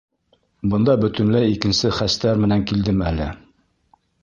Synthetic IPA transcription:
bɤ̆nd̪ɑbɵ̆t̪ɘ̆nlæikɘ̆nsɘχæst̪æɾmɘ̆næŋkild̪ɘmælɘ

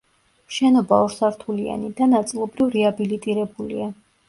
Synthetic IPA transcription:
ʃɛnɔbaɔɾsaɾt̪ʰulia̰nid̪anat̪sʼilˠɔbɾivɾɛabilit̪ʼiɾɛbulia

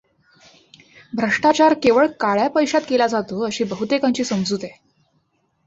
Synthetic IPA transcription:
bʱɾəʂʈat͡ɕaɾkeʋəɭkaɭjapəjɕat̪̚kelad͡zat̪oəɕiːbəɦut̪ekãɲt͡ɕiːsəmd͡zut̪e

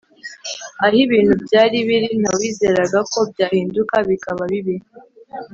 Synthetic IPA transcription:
ahiβiːn̥hubɟaːɾiβiɾin̥awiːze̞ːɾaɡako̞bjaːhiːndukaβikaβaβiβi

